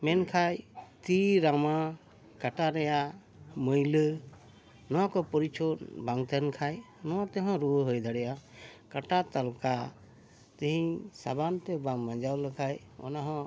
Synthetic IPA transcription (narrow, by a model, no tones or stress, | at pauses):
mɛnkʰajt̪iɾama | kaʈaɾɛja | məjlə | nɔwakɔpɔɾit͡ʃʰɔbaŋt̪ɛnkʰaj | nɔwat̪ɛɦɔ̃ɾubəɦəjd̪aɽɛjakaʈat̪alka | t̪iɦĩsa̰bant̪ɛbamːãd͡ʒawləkʰaj | ɔ̰naɦɔ̃